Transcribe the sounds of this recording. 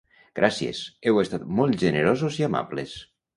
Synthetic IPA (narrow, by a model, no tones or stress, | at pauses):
ɡ̥ɾʔasiḛsɛwest̪at̪mɔlˠt̪ʒeneɾozoziama̰bles